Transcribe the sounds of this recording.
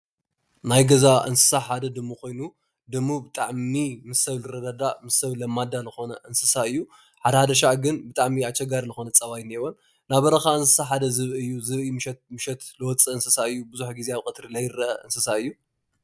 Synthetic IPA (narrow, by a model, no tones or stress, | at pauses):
najɡɐzaʔɨ̰nsɨ̥saħad̪ɐd̪ɨmːukʰo̞jnu | d̪ɨmːubɨt̪ʼaʕmimɨsɐβlɨɾɐd̪ad̪amɨsɐβlɐmːad̪alɨxo̞nɐʔɨnsɨsaɨjːu | ħad̪ɐhad̪ɐʃaʕɡɨnbɨt̪ʼaʕmiat͡ʃːɐɡaɾilɨxo̞nɐt͡sʼɐβajnewon | naβɐɾɐxaɨnsɨ̥saħad̪ɐzɨβɨɨjːuzɨβimɨʃɛt̪mɨʃɛt̪lɨwɔt͡sʼɨɨnsɨsaɨjːubɨzuħɡizeaβkʼɨt̪ʼɾilɐjɾɐʔɐʔɨnsɨsaɨjːu